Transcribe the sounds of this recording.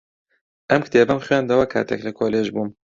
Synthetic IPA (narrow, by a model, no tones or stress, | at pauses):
ʔɐmkʰɨ̥t̪ʰeːbɐmxɥaːnd̪ɐwɐkʰa̰ːt̪ʰɛklɨkʰoːleːʒbuːm